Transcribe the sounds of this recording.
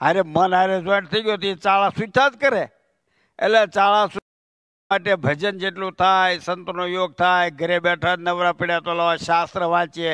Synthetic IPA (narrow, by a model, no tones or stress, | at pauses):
aɾemənaɾed͡ʒaʈt̪ʰəiɡjot̪iet͡ʃaɭasut̪ʰad͡ʒkəɾe | ḛlet͡ʃaɭasu | aʈebʱəd͡ʒənd͡ʒeʈlũt̪ʰajsənt̪onojoɡ̚t̪ʰajɡʱəɾebɛʈʰanəʋɾapiɽjat̪olaaʃast̪ɾəʋãt͡ʃe